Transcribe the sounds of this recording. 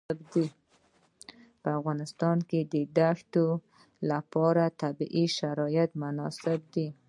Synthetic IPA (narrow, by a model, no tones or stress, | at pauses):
ɪbd̪i | pəafɣɑnɪst̪ɑnked̪əd̪aʂt̪o | lapɑɾat̪abiʔiʃaɾɑjɪt̪mʊnɑsɪb̚d̪i